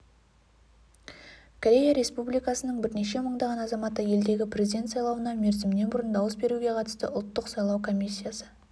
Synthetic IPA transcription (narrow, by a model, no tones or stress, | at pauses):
kʰoɾʲe̞jaɾe̞spublijkɑsənəɴbɪɾne̞ʃe̞məɴd̪ɑʁɑnɑzɑmɑt̪ːəje̞ld̪e̞ɡʲɪprʲe̞zʲid̪e̞nt̪sɑjlˠɑwənɑme̞ɾzɪmɪne̞bʊɾənd̪ɑwəsbe̞ɾuɡʲe̞qʰɑt̪ə̥st̪ə̰ʔʊlˠt̪ːəqsɑjlˠɑwkʰo̞mʲisʲːijasə